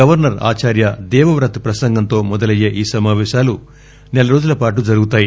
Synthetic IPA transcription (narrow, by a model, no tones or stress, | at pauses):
ɐʋɐɾnɐɾa̰ːt͡ʃaːɾjɐd̪ɛːʋɐʋɾɐt̪pɾɐsɐŋɡɐnt̪o̞ːmɔd̪ɐlɐjːeːʔiːsɐmaːʋɛːʃaːlu | nɛlɐɾo̞ːd͡ʒulɐpaːʈ̬ud͡ʒɐɾuɡut̪aːji